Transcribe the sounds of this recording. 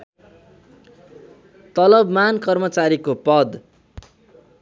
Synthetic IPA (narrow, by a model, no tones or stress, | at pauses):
t̪ʌlʌbmankʌrmʌt͡saɾikopʌd̪